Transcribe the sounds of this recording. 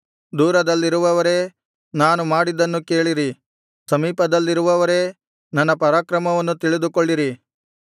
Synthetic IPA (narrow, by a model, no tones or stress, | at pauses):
d̪uːɾɐd̪ɐlːiɾuʋɐʋɐɾe̞ː | naːnumaːɽid̪ɐnːuke̞ːɭiɾi | sɐmiːpɐd̪ɐlːiɾuʋɐʋɐɾe̞ː | nɐnːɐpɐɾaːkɾɐmɐʋɐnːut̪iɭid̪ukoɭːiɾi